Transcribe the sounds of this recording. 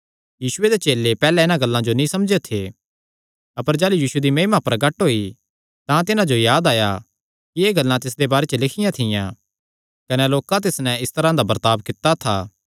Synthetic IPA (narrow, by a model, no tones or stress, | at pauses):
jiːʃʊed̪et͡ʃeːlːepɛːlɛɪnãɡɐlːãd͡ʒonĩsɐmd͡ʒet̪ʰe | ɐpəɾd͡ʒaːlujiːʃud̪imɐɦmapɐɾɡɐʈɦoːi | t̪ãt̪ɪnãd͡ʒojaːd̪aːja | kieːɡɐlːãt̪ɪs̬d̪ebaːɾet͡ʃəlɪkʰɪjãt̪ʰɪjã̰ | kɐneloːkãt̪̬ɪsnɛ̃ɪst̪ɐɾãd̪abɐɾt̪aːbkɪt̪ːat̪ʰa̰ː